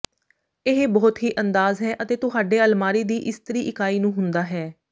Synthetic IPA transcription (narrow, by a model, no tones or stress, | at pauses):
ɪɦbɔːt̪ɦiːʔənd̪aːzɦɛːʔət̪eːt̪ʊɦaːɖeːəlmaːɾiːd̪iːʔɪst̪əɾiːʔɪkaːiːnũːɦʊnd̪aːɦɛː